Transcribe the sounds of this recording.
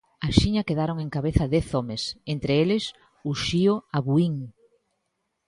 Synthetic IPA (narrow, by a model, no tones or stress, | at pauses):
aʃiɲɐkeðaɾoŋeŋkaβeθɐðɛθomesent̪ɾeelɪs | uʃiʊaβuiŋ